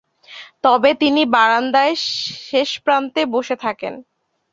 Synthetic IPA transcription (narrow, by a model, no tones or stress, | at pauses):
t̪ɔbet̪inibaɾand̪aeʃeʃpɾant̪eboʃet̪ʰakḛn